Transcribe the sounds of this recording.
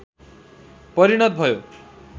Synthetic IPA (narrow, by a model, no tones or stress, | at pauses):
pʌɾiɽ̃ʌt̪̚bʱʌjo